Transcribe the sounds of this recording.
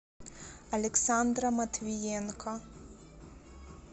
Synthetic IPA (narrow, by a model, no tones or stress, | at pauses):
ɐlʲɛksand̪ɾɐmɐt̪vʲijɛnkʰɐ